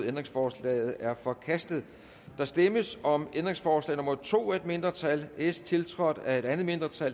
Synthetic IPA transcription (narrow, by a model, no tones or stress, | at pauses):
end̥ʁeŋsfɒːslɛ̰ːð̞̩ˠæɐfɒ̽kʰæsd̥ð̩ˠ | d̥ɑ̈sd̥eməsɒ̽mend̥ʁeŋsfɒːslɛ̰ːnomɐt͡sʰo̝̰ːæed̥me̝nd̥ʁɐt͡sʰælʔest͡sʰe̝lt͡sʰʁɒ̽d̥æe̝ɾ̥ænð̩ˠme̝nd̥ʁɐt͡sʰæl